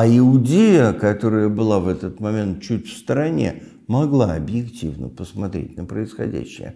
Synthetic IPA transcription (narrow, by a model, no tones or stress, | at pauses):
ɐɪʊdʲejəkɐt̪o̞ɾəjəbɨlˠavɛt̪ət̪mɐmʲe̞nt̪̚t͡ɕutʲfst̪əɾɐnʲḛ | mɐɡlˠaɐbjɪktʲivnə̰pəsmɐt̪ɾʲḛtʲnəpɾəɪsxɐ̰dʲæ̰ɕːɪ̰jə̰